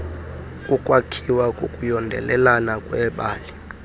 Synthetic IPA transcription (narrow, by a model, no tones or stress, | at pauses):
kʼukʼwakʰiwakʼukʼujɔndʱɛ̰lɛlanakʼwɛɓaːli